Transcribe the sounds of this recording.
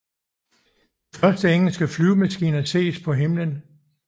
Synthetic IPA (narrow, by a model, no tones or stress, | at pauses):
fɶɐsd̥əeŋ̰l̩sɡ̥əflyːʊmæsɡ̥ḭːnɐse̝̰ːspʰɒ̽ɦe̝mlən